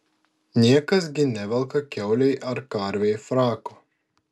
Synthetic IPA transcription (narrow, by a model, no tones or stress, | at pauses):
nʲiɛkɐs̬ɡʲɪnʲɛʋʲɛlˠkɐkʲɛʊlʲɛɪʔɐɾkɐɾʲʋʲɛjfɾɑːkoː